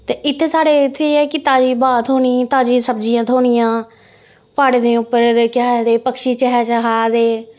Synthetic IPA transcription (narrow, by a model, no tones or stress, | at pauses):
t̪eːʔɪt̪ʰːeːsaːɽeːɪt̪ʰːeːɛːkɪt̪aːd͡ʒiːbaːt̪ʰoːɳ̃iːt̪aːd͡ʒiːsəbd͡ʒijãːt̪ʰoːɳijãː | paːɽeːd̪eːʊpːəɾkɦd̪eːpəkʃiːt͡ʃəɦɛːt͡ʃɦaːd̪eː